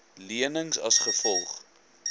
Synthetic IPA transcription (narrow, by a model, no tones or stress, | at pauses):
liənəŋsɐsχəfɔlˠχ